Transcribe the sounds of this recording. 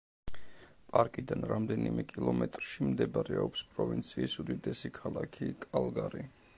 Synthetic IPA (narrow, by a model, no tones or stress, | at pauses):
pʼaɾkʼid̪anɾamd̪ɛnimɛkʼilˠɔmɛt̪ʼɾʃimd̪ɛbaɾɛɔpspʼɾɔvint̪sʰiːsud̪id̪ɛsikʰalˠakʰikʼalˠɡaɾi